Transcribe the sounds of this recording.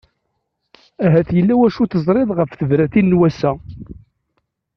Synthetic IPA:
æɦæθjəlːæwæʃuθəzˤɾˤeðˤʁəfθəvɾæθinːwæsæ

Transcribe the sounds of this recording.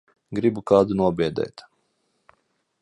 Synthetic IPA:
ɡɾibukaːd̪unuɔbʲiɛd̪ɛ̰ːt̪

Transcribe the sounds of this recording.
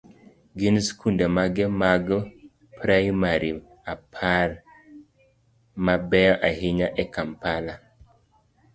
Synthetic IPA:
ɡinskʰundamaɡɛmaɡ | pɾajmaɾi | apʰaɾ | mabɛɔʔahiɲaʔɛkampala

